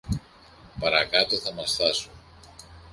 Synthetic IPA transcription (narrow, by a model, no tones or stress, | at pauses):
pɐɾɐkɐt̪o̞θɐmɐsθɐsu